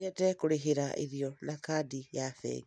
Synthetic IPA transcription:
ɛtɛkoɾeɦeɾaʔḛɾiɔnakadijaθɛ̰ŋ

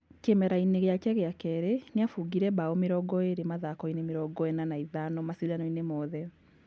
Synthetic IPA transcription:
kemɛɾaineɣeakɛɣeakɛɾeneafuɡiɾɛbaɔmeɾɔɡɔeɾemaðakɔinemeɾɔɡɔɛnanaiðanɔmasiɾanɔinemɔðɛ

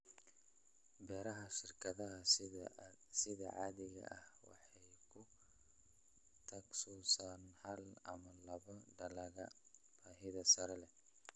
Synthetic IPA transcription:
bɛːɾɐɦɐʃɪrkʰɐðɐɦɐ | sɪðɐ̰ʕɑːðɪɣɐ̰ʔɐhwɑ̰ħɑjkʰʊ | t̪ʰɐksuːsaːnhɐlɐ̰mɐlɐβɐɖɐlɐɣɐb̥aːɦɪðɐsɐɾɛlɛ

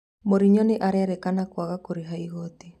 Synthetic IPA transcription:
moɾiɲɔneʔaɾɛɾɛkanakwaɣakoɾeɦaiɣɔti

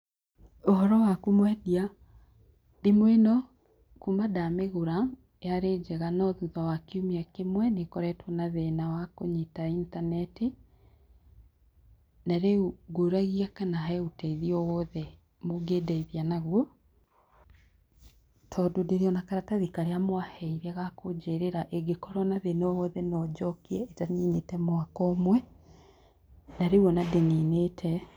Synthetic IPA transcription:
oɦɔɾɔwakumwɛdia | demwenɔ | kumadameɣoɾa | jaɾeːd͡ʒɛɣanɔðuðawakeumiakemwɛnekɔɾɛtwɔnaðɛnawakoɲitaintanɛte | naɾeuɡoɾaɣiakanaɦautɛiðiɔwɔːðɛ | moɡedaiðianaɣwɔ | tʰɔdodeɾiɔnakaɾataðikaɾeamwahɛiɾɛɣakod͡ʒeɾeɾaʔeɡekɔɾɔnaðenɔwɔðɛnɔd͡ʒɔkiɛetaɲinetɛmoakɔmwɛ | naɾewɔnadeŋenetʰɛ

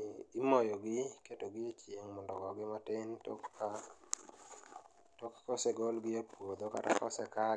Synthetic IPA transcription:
imɔjɔɡɪketoɡɪet͡ʃjeŋmɔndɔɡɔɡɪmatɪntka | tɔkḁkɔseɡɔlɡɪapwod̪oka̰ta̰kɔ̰sɛka

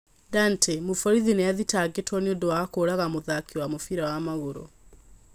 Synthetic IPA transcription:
dantʰemofɔɾiðinɛaðitaɡetwɔneodowakoːɾaɣamoðakiwamofiɾawamaɣoɾo̰

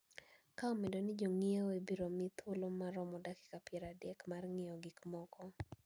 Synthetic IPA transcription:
kaomedonɪd͡ʒoŋieoebiɾomɪt̪ʰolomaɾɔmɔdakɪ̥kapjɛɾadɛkmarŋɪɔɡikmɔkɔ

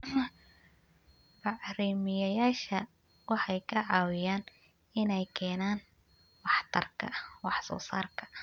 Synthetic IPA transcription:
bɑʕriːmɪjɐjaːʃɐ | wɑħɑjkʰɐʕɑːwɪjaːn | ɪnɛjkʰɛːnaːn | wɑħt̪ʰɐrkʰɐ̰wɑħsɔ̰ːsa̰ːrkʰɐ̥

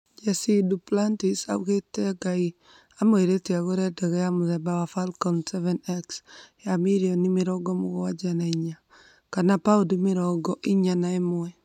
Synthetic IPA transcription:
d͡ʒasiduplantisa̰uɣeteɡai | amoeɾeteaɣoɾɛdɛɣɛjamuðɛbawafalkɔnsɛvɛnɛksjamiɾiɔnimeɾɔɡɔmoɣowad͡ʒanaiɲa | kanapaodimeɾɔɡɔʔiɲanaemwɛ

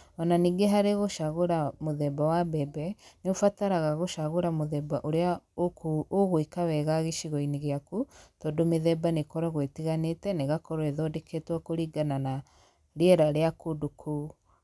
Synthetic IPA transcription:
ɔnaniːɡeɦaɾeɣoʃaɣoɾamoðɛbawabɛbɛneofataɾaɣaɣoʃaɣoɾamoðɛbaʔoɾeaokuoɣoikawɛɣaɣeʃiɣɔineɣeakutɔdomeðɛbanekɔɾɔɣwetiɣanetɛneɣakɔɾweðɔdekʰetwɔkoɾiɡanana | ɾeɛɾaɾeakodokʰu

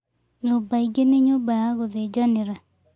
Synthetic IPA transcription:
ɲobaiɡeneɲobaaɣoðed͡ʒɔnɪɾa

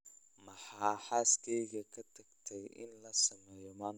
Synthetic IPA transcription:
mɐħaːħaːskʰɛjɣɐkʰɐt̪ʰɐɡt̪ʰɛjʔɪ̰nlɐsɐmɛːjɔmaːn

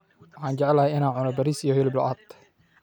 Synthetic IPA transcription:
wɑħɑːnd͡ʒɛʕɛlɐhɛjɪnaːnʕʊnɔbɐɾiːsijɔhɪlɪblɔ̰ʔat̪

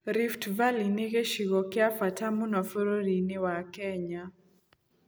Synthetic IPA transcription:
ɾiftvaliniɣeʃiɣɔkɪafatʰamunɔfɔɾoɾiniwakɛɲa

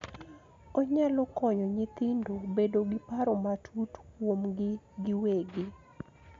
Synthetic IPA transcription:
oɲalɔkɔɲɔɲɪt̪ɪndobedoɡɪpaɾomatʰutkwomɡɪɡɪweɡi

